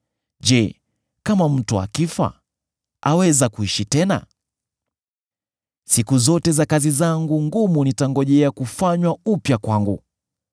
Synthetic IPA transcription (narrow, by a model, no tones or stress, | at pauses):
ʄɛ | kamam̩tua̰kifa̰ | a̰wɛzakuiʃitɛna̰ | sikuzɔtɛzakazizaŋɡuŋɡumunitaŋɡɔʄɛakufaɲwaupjakwaŋɡṵ